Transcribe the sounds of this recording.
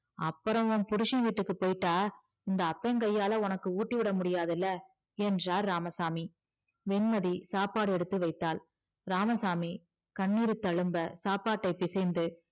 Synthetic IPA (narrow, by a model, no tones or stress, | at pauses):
ɐpːɯɾɐ̃mʊnpʊɾɯʂiʋiːʈːɯkːɯpoːjʈːaː | ɪnd̪ɐːpːɐŋkɐjːaːlɐʊnɐkːɯuːʈːiʋɪɽɐmʊɽɪjaːðɪlːɐ | ɛndraːɾːaːmɐsaːmi | ʋɛnmɐðisaːpaːɽɯɛɽɯt̪ːɯʋɐɪt̪ːaːl | ɾaːmɐsaːmi | kɐɳːiːɾɯt̪ːɐɻɯmbɐsaːpaːʈːɐɪpːɪsɛnd̪ɯ